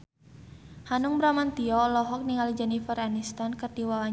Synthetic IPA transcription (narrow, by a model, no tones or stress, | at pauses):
hanʊŋbɾamant̪iɔlɔɦɔk̚niŋalid͡ʒanifərɦanist̪ankərdiwawa